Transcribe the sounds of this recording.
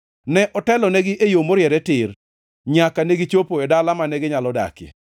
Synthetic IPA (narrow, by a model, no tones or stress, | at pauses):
nɛʔɔtɛlɔnɛɡɪʔejomoɾɪɛɾɛtɪr | ɲakaneɡɪt͡ʃopoedalamanɛɡɪɲalɔda̰kḛ